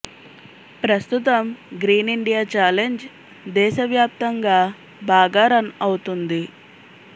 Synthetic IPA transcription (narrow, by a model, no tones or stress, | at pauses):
pɾɐst̪ut̪ɐmɡɾiːniɳɖijaːt͡ʃaːleɲd͡ʒ | d̪ɛːʃɐʋjaːp̚t̪ɐŋɡaː | bʱaːɡaːɾɐnɐwut̪und̪i